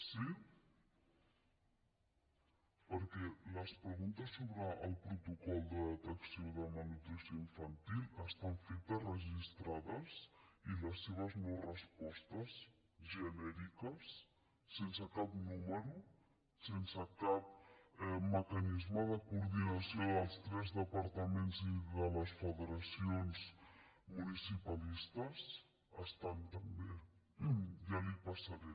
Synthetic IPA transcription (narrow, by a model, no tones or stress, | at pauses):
si | pəɾkɛləspɾəɣunt̪əsːoβɾəəlˠpɾut̪ukɔlˠd̪əðt̪əksioðəmənut̪ɾisjoiɱfənt̪ilˠəst̪aɱfet̪ərəʒist̪ɾaðəsiləsːeβəznowrəspɔst̪əs | ʒənɛɾikəsː | ensəkapnuməɾu | sensəkap̚ | məkanizməðəkuɾðinasioðəlˠst̪ɾɛzðəpaɾt̪əmenziðələsfəðəɾasionzmunisipalist̪əz | əst̪ant̪əmbe | jalipasaɾɛ